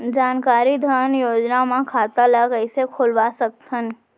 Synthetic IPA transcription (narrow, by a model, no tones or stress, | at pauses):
d͡ʒaːnkaːɾid̪ʱaːnjoːd͡ʒnamãkʰaːt̪aləkəɪsekʰoːlʋasək̚t̪ən